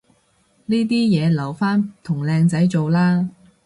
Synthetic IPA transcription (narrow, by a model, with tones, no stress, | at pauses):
niː˥t̪̬iː˥jɛː˨˧lɐ˨˩wfaː˥nt̪ʰʊ˨˩ŋlɛː˧ŋt͡sɐ˨˥jt͡so˨wlaː˥